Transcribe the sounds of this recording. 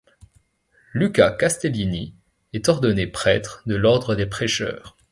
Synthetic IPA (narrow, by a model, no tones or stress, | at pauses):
lykakast̪elini | ɛt̪ɔʁd̪ɔnepχɛt̪χd̪əlɔʁd̪ʁəd̪epχeʃœ̰ːʁ